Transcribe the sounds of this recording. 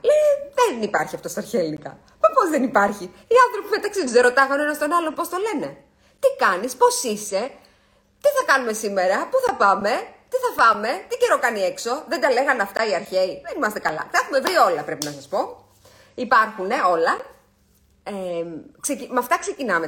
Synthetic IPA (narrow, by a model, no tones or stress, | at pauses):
leðenipɐɾçiɐft̪o̞st̪ɐɾçeːlinikɐ̰ | mepo̞zðenipɐɾçi | iɐnθɾo̞pimet̪ɐksied̪uzeɾot̪ɐɣɐnenɐst̪o̞nɐlo̞po̞st̪o̞le̞ne̞ | t̪ikɐnispo̞sise̞ | t̪iθɐkɐnume̞sime̞ɾɐpuθɐpɐme̞t̪iθɐfɐme̞t̪ice̞ɾo̞kɐnie̞kso̞ðe̞nd̪ɐle̞ɣɐnɐft̪ɐiɐɾçe̞iðenimɐst̪e̞kɐlɐ̰θɐexume̞vɾio̞lɐpɾe̞pinɐsɐspo̞ | ipɐɾxune̞o̞lɐ | eksecimɐft̪ɐkse̞cinɐme